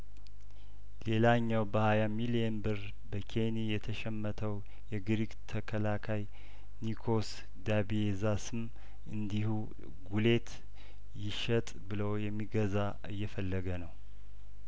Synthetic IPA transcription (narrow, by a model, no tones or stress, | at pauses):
le̞laɲːawbəhajamiliɛnbɨɾ | bəkʰenijɛt̪ʰəʃɛmːət̪ʰəw | jɛɡɨɾiɡt̪ʰəkʰəlakʰaj | nikʰo̞s | d̪abiezasɨm | ʔɨnd̪ihu | ɡule̞t̪ʰ | jɪʃət̪ʼbɨləwjɛmːiɡəza | ɨ̰jːɛfəlːəɡənəw